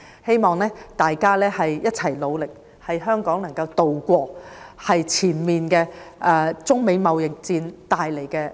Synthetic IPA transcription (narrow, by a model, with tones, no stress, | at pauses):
he˥jmɔː˨ŋnɛː˥t̪aː˨jkaː˥lɛː˥hɐ˨jjɐ˥t̚t͡sʰɐ˨˩jlo˨˧wlɪ˨k̚ | hɐ˨jɦœː˥ŋkɔː˨˥ŋnɐ˨˩ŋkɐ˧wt̪o˨wkʷɔː˧hɐ˨jt͡sʰiː˨˩nmiː˨nkɛː˧ʔɛː˧t͡sʊ˥ŋme˨˧jmɐ˨wjɪ˨k̚t͡siː˧nt̪aː˨jle˨˩jkɛː˧